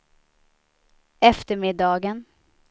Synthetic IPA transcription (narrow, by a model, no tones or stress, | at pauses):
ɛft̪əɾmɪd̪ɑːɡən